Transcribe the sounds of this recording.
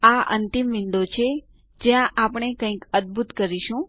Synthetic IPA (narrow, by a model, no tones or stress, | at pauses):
aə̰nt̪imʋɪɳɖot͡ʃʰe | d͡ʒjãʔapɳ̃ekə̃ĩkəd̪̚bʱut̪kəɾiʃũ